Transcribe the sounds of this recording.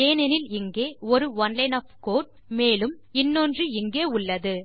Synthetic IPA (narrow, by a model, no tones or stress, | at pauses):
eːnɛnɪlɪŋɡeːɔɾɯʋɐnlɐɪnɐpkoːʈ̚meːlɯm | ɪnːondrɯɪŋɡeːʊɭːɐðɯ